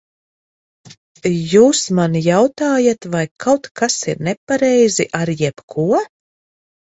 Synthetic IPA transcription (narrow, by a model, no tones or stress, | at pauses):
juːsmanjawt̪aːjat̪vajkʰawt̪kasiɾnɛpaɾɛjziʔaɾjɛpkʰuɔ